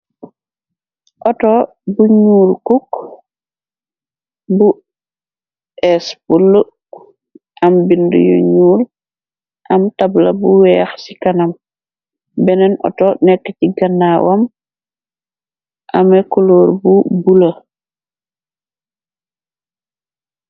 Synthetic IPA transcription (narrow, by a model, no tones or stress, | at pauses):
ʔɔtɔ | buɲuːlkuk | bu | ʔɛspulːu | ʔambindṵjo̰ɲuːl | ʔamtabla̰buwɛaxsikanam | bɛnɛnʔɔ̰tɔnɛkːeciɡanːawam | ʔamekoloːɾbubulo